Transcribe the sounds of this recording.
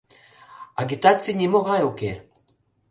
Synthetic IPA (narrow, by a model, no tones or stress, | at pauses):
aɡit̪at͡sinʲimoɣaeuke